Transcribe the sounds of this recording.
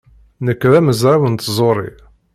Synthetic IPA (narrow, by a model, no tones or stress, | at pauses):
nəkːɾæməzʕawənt̪zˤoɾˤḭ